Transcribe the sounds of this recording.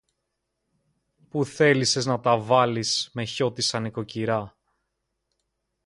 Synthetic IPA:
puθe̞lise̞znɐt̪ɐvɐlisme̞ço̞t̪isɐniko̞ciɾɐ

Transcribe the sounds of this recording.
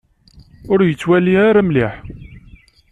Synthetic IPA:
ʊɾjət͡sːwæliaɾamliħ

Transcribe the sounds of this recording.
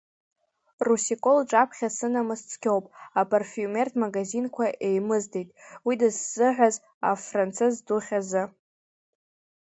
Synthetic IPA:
rusikʼo̞lʈ͡ʂʼapʰχʲasɨnamɨst͡sʰʼkʲo̞wpʼapʼarfiume̞rtʰʼmaɡazinkʷʰaʔe̞jmɨzde̞jtʼwidɨzz̥ɨʕʷᶣaz | afrant͡sʰɨzduχʲazɨ

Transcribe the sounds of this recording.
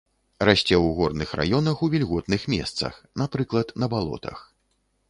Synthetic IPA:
rasʲt͡sʲɛwɣɔrnɨxra̰jɔnɐxuvʲilʲɣɔt̪nɨxmʲɛ̰st̪sɐ̰xnapɾɨklˠɐt̪nɐbalˠɔ̰t̪ʰɐ̰x

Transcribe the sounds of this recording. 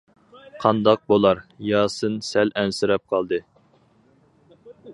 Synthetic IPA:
qʰɑnd̪ɑq̚bolˠɑɾjɑːsɨnsɛlɛnsɪɾɛp̚qʰɑlˠd̪ɨ

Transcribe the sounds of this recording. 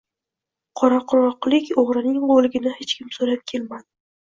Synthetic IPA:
qʰɒɾaqʰɾɒqlˠɪkʲoʁɾɪnɪŋʁolˠɪɡʲɪnɪhet͡ʃkʲɪmsoɾap̚kʲʰe̞lmad̪̥ɪ

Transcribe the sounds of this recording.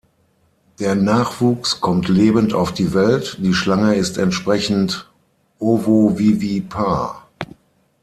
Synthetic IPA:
d̥eːɐnaːχv̥uːkskʰɔmtʰleːbənta̰ʊfd̥iːvɛltd̥iːʃlaŋəɪstɛntʃpʁ̥ɛçn̩t | ʔovoviːvipʰaː

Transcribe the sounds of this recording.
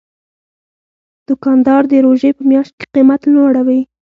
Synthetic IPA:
d̪̥ʊkɑnd̪ɑɾd̪əɾoʒepəmjɑʃt̪̚ke̥qimat̪loɽawi

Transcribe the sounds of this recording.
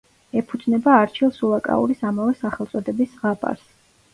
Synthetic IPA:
ɛpʰud̪znɛbaːɾt͡ʃʰilˠsulˠakʼa̰ṵɾisamavɛsaχɛlˠt̪sʼɔd̪ɛbisʁapʼa̰ɾs

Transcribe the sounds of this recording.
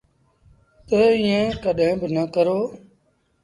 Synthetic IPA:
t̪əiːjãːkəɗɦẽːbɪnəkəɾoː

